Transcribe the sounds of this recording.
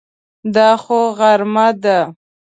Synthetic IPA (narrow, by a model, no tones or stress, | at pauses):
d̪ɑxoɣaɾmad̪a